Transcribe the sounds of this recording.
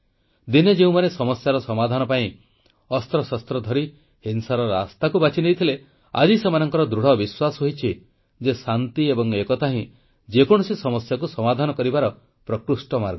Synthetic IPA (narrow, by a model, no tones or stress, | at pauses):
d̪ined͡ʒeũmanesɔmɔsjaɾɔsɔmad̪ʱanɔpaĩ | ɔst̪ɾɔsast̪ɾɔd̪ʱɔɾi | hensaɾɔɾa̰st̪akubat͡ʃʰinejt̪ʰile | a̰d͡ʒisemanɔŋkɔɾɔd̪ɾuɽ̤ɔbiswasɔɦojt͡ʃʰi | d͡ʒesant̪iebɔŋekɔt̪aɦĩ | d͡ʒekɔɽ̃ɔsisɔmɔsjak̬usɔmad̪ʱanɔkɔɾibaɾɔ | pɾɔkɾusʈɔmaɾɡ